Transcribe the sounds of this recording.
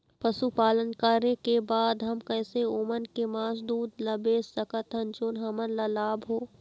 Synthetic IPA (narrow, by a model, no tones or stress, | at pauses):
pɐʃupaːlənkaːɾekebaːd̪ɦɐmkɛːseoːmənkemaːsd̪uːd̪lɐbeːsːɐkət̪ɦɐnt͡ʃoːnɦɐmənlalaːbɦoː